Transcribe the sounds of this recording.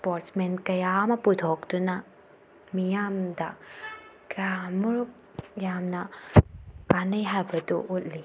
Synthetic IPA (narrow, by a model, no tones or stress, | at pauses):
spoɾtsmenkɐjamɐputʰok̚dunɐ | mijamdɐ | kɐjamuɾuk̚ | jamnɐ | panɐjɦajbɐdṵʔut̚li